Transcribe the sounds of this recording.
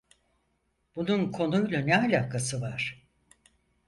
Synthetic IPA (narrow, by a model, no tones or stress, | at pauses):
b̥ununkʰo̞nujlˠanɛalʲaːkʰasɯvaɾ̥